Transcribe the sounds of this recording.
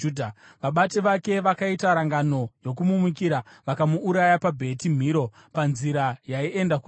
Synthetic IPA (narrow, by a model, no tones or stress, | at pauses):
dʱa | ʋaɓateʋake̞ʋakaitaɾaŋɡano̞jo̞kumumukiɾaʋakamuːɾajapabʱe̞tim̤iɾo̞ | panziɾajaie̞ndaku